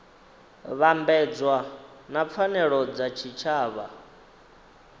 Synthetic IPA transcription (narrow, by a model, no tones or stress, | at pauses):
βambɛd͡zwa | nap̪fʰanɛɺɔd͡zat͡ʃʰit͡ʃʰaːβa̰